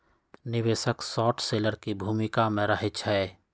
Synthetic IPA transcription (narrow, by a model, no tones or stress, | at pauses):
nɪʋeːʃəksɔːʈʰseːləɾkibʱuːmɪkamẽɾəɦet͡ʃʰɛː